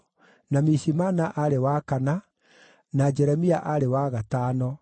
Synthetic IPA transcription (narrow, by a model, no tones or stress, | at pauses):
namisimaːnaʔaɾewaːkana | nad͡ʒɛɾɛmiaʔaɾewaɣataːnɔ